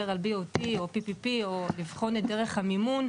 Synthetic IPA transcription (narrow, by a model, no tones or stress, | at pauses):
eʁalbiotio̞pipipiolivχo̞netd̪e̞ʁe̞χhamimun